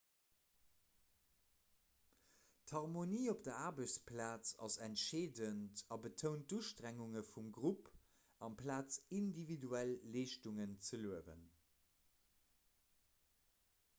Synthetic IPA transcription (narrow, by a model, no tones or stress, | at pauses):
thɑʁmoniːop̚d̥əaːʁbəɕt͡spʰlaːt͡sɑ̰sæntʃeːdəntɑbətʰəʊnt̚duʃtʁæŋuŋəfumɡʁup | ɑmpʰlaːt͡sindividuælːeːʃtuŋənt͡səluəvə̰n